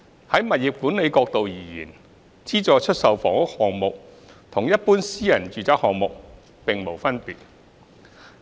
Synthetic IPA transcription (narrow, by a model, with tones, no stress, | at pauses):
hɐ˨˥jmɐ˨t̚jɪ˨p̚kuː˨˥nle˨˧jkɔː˧k̚t̪o˨wjiː˨˩jiː˨˩n | t͡siː˥t͡sɔː˨˧t͡ʃʰɵ˥t̚sɐ˨wfɔː˨˥ŋʊ˥k̚hɔː˨ŋmʊ˨k̚ | t̪ʰʊ˨˩ŋjɐ˥t̚puː˥nsiː˥jɐ˨˩nt͡ʃyː˨t͡sɐ˨˥hɔː˨ŋmʊ˨k̚ | pɪ˨ŋmo˨˩wfɐ˥npiː˨t̚